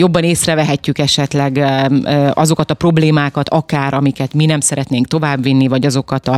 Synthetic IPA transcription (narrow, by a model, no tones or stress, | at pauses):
jo̞bːɒneːsrɛvɛɦɛcːykɛʃɛt̪lɛɡ | ʔɒzo̞kɒt̪ɒpro̞bleːmaːkɒt̪ɒkaːɾʔɒmikɛt̪minɛmsɛɾɛt̪neːŋk̚t̪o̞vaːbʋinːivɒɟɒzo̞kɒt̪ɒ